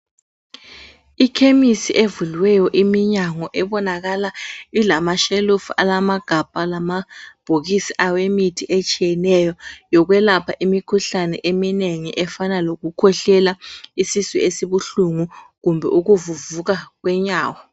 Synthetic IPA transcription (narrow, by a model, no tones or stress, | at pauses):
ikʰemisiʔevulwɛjɔʔimiɲaŋɔʔɛβɔnaɣalailamaʃelufa̰lamaɡ̥ʱab̥̚ʱalamab̥ʱoɣisiʔawemitʰiʔet͡ʃʼijɛnɛjɔjɔɣ̬wɛlapʰaʔimikʰuɬanɛ̰ʔemineŋiʔɛfanaloɣukʰɔɬɛlaisisḭesiβuɬuŋuɣumbʱɛ̰ʔuɣuvuvuɣaɣwɛɲaːwɔ